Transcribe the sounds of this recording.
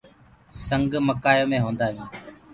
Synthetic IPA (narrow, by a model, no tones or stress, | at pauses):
səŋɡməkaːjõːmẽːɦõːnd̪aːɦĩː